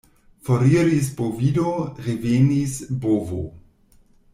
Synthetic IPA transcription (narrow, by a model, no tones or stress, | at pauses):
foɾiɾispovidoʁevenisbovo̰